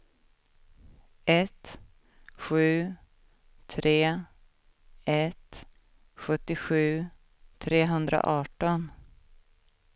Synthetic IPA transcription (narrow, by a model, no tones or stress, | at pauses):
ɛt̪ | ɧʉ̟ː | t̪ʰɾʔeː | ɛt̪ | ɧɵt̪ːɪɧʉ̟ː | t̪ʰɾeːɦɵnd̪ɾa̰ʔɑːʈɔn